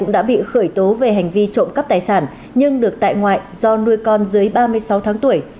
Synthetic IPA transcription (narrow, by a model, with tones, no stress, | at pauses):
ʊ̰˧˥ŋ͡mɗa̰ː˧˥ɓḭ˧˨xəː˧˩jt̪o˨˦ve˨˩ɦa˨˩jŋ̟vi˧t͡ɕo̰˧˨ŋ͡mkə˦˥p̚t̪aː˨˩jsaː˧˩n | ɲɨ˧ŋɗɨ˨˩ək̚t̪a̰ː˧˨jŋwa̰ː˧˨jzɔ˧nu˧əjkɔ˧nzɨ˨˦jɓaː˧mɨ˧əjsa˨˦wt̪ʰaː˨˦ŋt̪u˧˩əj